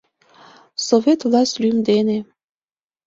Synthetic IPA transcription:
sovʲet̪vlˠɑsʲt̪ʲlymd̪ene

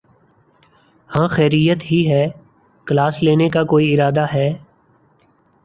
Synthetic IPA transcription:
hãːxɛːɾijət̪ɦiɦɛː | kəlaːsleːnekakoːiɪɾaːd̪aɦɛː

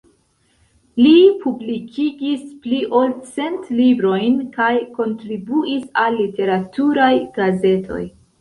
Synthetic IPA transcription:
lipʰublikʰiɡispliʔolt͡se̞ntlibɾo̞jnkajko̞ntɾibuisalːite̞ɾatʰuɾajɡ̥aze̞tʰo̞̰j

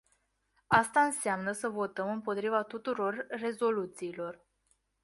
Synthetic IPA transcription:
ast̪aɨnseamnəsəvo̞t̪əmɨmpo̞t̪ɾivat̪ut̪uɾo̞rːe̞zo̞lut̪siːlo̞r

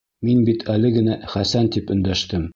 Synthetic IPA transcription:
minbit̪ʰælɘɡɘ̆næχæsænt̪ipɵ̆nd̪æʃt̪ɘm

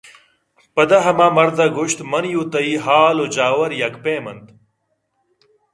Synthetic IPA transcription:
pɐd̪ɐɦɐmaːmɐɾd̪ɐɡuɕt̪mɐnjuːt̪ɐiɦaːlod͡ʑaːwɐɾjɐkpeːmɐnd̪

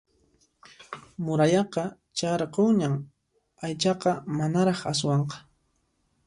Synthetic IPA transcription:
mʊɾajɑqɑ | t͡ʃaɾqowɲam | ajt͡ʃɑqɑmanaɾɑχas̬wɑɴqɑ̥

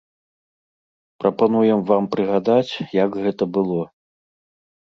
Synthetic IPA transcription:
pɾɐpanujɛmvampɾɨɣad̪at͡sʲjɐɡɣɛt̪ɐbɨlˠɔ

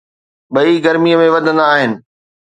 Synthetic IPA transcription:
ɓɐiɡɐɾmijəmẽʋɐd̪ʱə̃nd̪aːɦɪnɪ̆

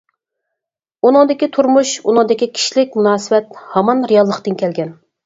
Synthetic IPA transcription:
unɨŋd̪ɪkʲit̪ʰuɾmuʃunɨ̃ŋd̪ɪkʲikʲʰi̥ʃlɪk̚ʲmunɑːsɨwɛt̪hɑmɑnɾijɑlˠːəqt̪ɨnkʲʰɛlɡʲɛn

